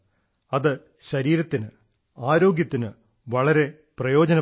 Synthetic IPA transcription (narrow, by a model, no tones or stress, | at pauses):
ɐðɨ | ɕɐɾiːɾɐt̪ːinɨ | aːɾo̞ːɡjɐt̪ːinɨ | ʋɐɭɐɾe̞ | prɐjo̞ːd͡ʑɐnɐ